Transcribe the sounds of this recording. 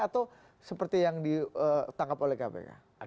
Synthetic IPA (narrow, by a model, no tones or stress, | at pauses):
at̪aw | səpərt̪ijaŋdiət̪aŋkapolɛhkabɛ̰ka̰